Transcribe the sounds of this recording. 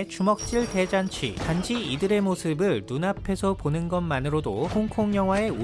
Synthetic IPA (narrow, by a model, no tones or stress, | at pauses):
t͡ɕumʌk̚t͡ɕ͈iɭte̞d͡ʑant͡ɕʰɥḭtand͡ʑiidɯɾe̞mosʰɯbɯɭnunapʰe̞sʰʌponɯnɡʌnmanɯɾodo̰hoŋkʰoŋjʌŋɦwae̞u